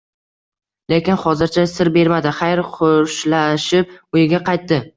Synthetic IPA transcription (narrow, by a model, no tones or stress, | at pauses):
le̞kʲɪnχɒzɪɾt͡ʃʰasɪɾbe̞ɾmad̪ɪχajɾχʰʊʃlaʃɪp̚ʊjɪɡʲaqɑjt̪ːɪ